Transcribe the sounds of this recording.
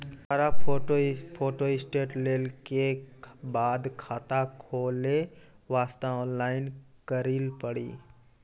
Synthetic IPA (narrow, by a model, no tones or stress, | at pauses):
kʰəɾaoopʰoːʈoɪsʈeːʈleːlkebaːd̪kʰaːt̪akʰoːle | ʋaːst̪aɔːnlaːɪn | kəɾiːlpəɽḭː